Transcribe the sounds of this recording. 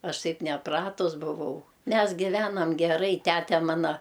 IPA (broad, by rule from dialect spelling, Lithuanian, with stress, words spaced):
ˈɐʃ ˈtɐɪp nʲɛˈprɑːtʊs bʊˈʋɐʊ ˈmʲɛs ɡʲɪˈʋʲæːnɐm ɡʲɛˈrɐɪ ˈtʲætʲɛ ˈmɑːnɐ